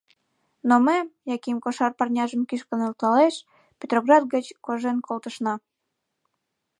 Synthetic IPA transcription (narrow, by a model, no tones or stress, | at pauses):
noməjɑkimkoʃɑrpɑrnʲɑʒəmkiʃkə̆nelt̪ɑleʃ | pʲet̪roɣrɑd̪̚ɡət͡ɕkoʒenkʰolt̪əʃnɑ